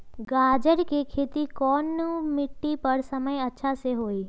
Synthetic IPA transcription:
ɡaːd͡ʒəɾkikʰeːt̪ikɔːnːmɪʈːipəɾsəməjɐtːʃʰaseɦoːiː

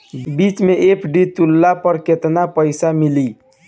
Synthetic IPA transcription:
bit͡ʃmeʔepʰɖit̪ulːapəɾket̪napəɪsamili

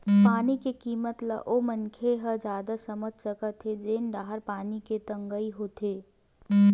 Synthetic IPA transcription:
paːnikekiːmət̪lə̰ʔomənkʰeɦəd͡ʒaːd̪asəmət̪̚t͡ʃəkət̪ʰːed͡ʒeːnɖaːɦəɾpaːniket̪ɐ̃ŋɡəiɦot̪ʰeː

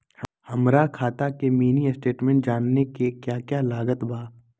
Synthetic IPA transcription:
hɐmɾakʰaːt̪akemiːnisʈeːʈmɛ̃ːɳʈd͡ʒaːnːekekjaːkjaːlaːɡət̪bʱaː

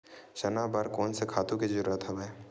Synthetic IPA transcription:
ʃənabaɾkɔːnsekʰaːt̪ũkid͡ʒəɾuːɾət̪ɦɛbɛː

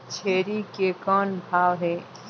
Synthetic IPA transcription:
t͡ʃʰeːɾikekɔːnbʱaːwɦɛː

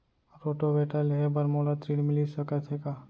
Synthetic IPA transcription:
ɾoːʈobeːʈalɦebɐɾmoːlat̪ɾiːɽmɪlisɐkət̪ʰɦekaː

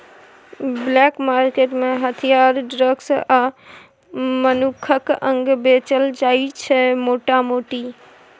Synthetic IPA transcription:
blɛkmaɾkeʈmẽɦət̪ʰijaɾɖɾəɡsa | mənukʰəkə̃ŋɡbet͡ʃəld͡ʒaːit͡ʃʰɛmoʈamoːʈi

